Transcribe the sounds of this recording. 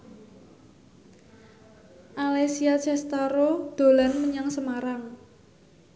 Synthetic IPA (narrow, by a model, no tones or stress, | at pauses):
ʔalesiat͡ʃɛst̪aɾod̪̥o̤lanməɲəŋsəmaɾaŋ